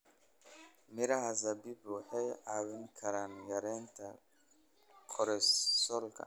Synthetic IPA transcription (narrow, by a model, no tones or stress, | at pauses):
mɪɾɐɦɐzɐbiːbwɑħɑjaːwɪŋkʰɐɾaːnjɐɾɛːnt̪ʰɐ | kʰɔɾɛsɔlkʰɐ̰